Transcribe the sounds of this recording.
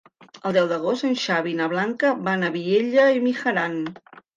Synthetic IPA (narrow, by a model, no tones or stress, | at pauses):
əlˠd̪ɛwðəɣ̞ost̪ənʲʃaβinəβ̞laŋkəbanəβieʎəimixəɾan